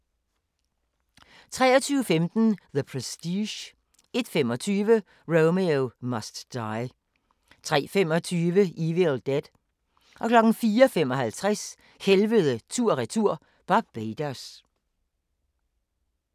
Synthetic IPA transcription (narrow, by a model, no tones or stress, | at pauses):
t͡sʰʁɛ̰ːɐt͡sʰyːʊəfemd̥n̩ðəpʰʁɛsd̥iɕ | e̝d̥fem̰ɒ̽t͡sʰyːʋə | ʁoʊmeomɐsd̥ːɑ̈ɪ | t͡sʰʁɛ̰ːfemɒ̽t͡sʰyːʋəʔiʋeld̥æd̥ | ʔɒ̽kʰlɒ̽ɡ̥n̩fiːɒfem̰ɒ̽ɦælt͡sʰʁɛs | helʋəðˠət͡sʰuɐ̰ʁit͡sʰuɐ̰ | b̥ɑ̈ɡ̥̚b̥eːd̥æs